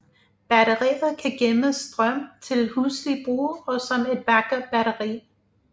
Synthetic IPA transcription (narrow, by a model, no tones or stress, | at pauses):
b̥æɾɐʁḭːð̩ˠkʰæɡ̥eməsd̥ʁɶm̰t͡sʰe̝lhuslib̥ʁṵːɒ̽sɒ̽me̝d̥̚ʋɑ̈ɡ̥ɐb̥æɾɐʁḭː